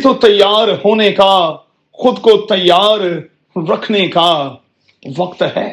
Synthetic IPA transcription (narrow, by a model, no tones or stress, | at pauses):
t̪ot̪ɐjːaːɾɦoːneka | xʊd̪kot̪ɐjːaːɾ | ɾɐkʰneka | ʋɐqt̪ɦɛː